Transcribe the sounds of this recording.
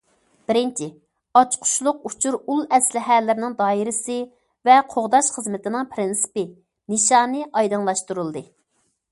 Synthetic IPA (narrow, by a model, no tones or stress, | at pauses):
b̥ɪɾɪnt͡ʃʰɪ | ɑt͡ʃqʰʊ̥ʃlˠʊq̚ut͡ʃʰuɾulˠɛslɪɦɛlːɪɾɪnɪŋd̪ɑːiɾɪsɨ | vɛqʰoʁd̪ɑʃχəzmɪt̪ɪnɪŋpʰɾɪnsɪ̥pɪ | nɨʃɑːnɨʔɑjd̪ɨŋlˠɑʃt̪uɾulˠd̪ɨ